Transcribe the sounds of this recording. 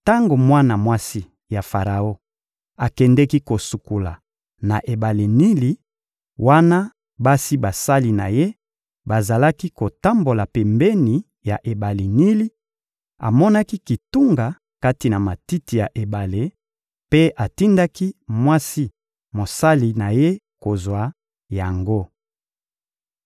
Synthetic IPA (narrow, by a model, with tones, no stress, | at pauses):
ta˦ŋɡo˨mwa˦na˨mwa˦si˦ | ja˨fa˨ʁa˨o˦ | a˨kɛ˨ndɛ˦ki˦ko˨su˨ku˨la̰˨ | na˨ʔe˨ba˨le˨ni˦li˨ | wa˦na˦ | ba˦si˦ba˨sa˦li˨na̰˨je˦ | ba˨za˨la˦ki˦ko˨ta˦mbo˨la˨pɛ˨mbɛ˦ni˨ | ja̰˨ʔe˨ba˨le˨ni˦li˦ | a̰˨mɔ˦na˦ki˦ki˨tu˦ŋɡa˨ | ka˦ti˨na˨ma˨ti˦ti˨ja˨ʔe˨ba˨le˨ | pe˦ʔa˨ti˦nda˦ki˦mwa˦si˦ | mo˨sa˦li˨na˨je˦ | ko˨zwa˨ | ja˨ŋɡo˦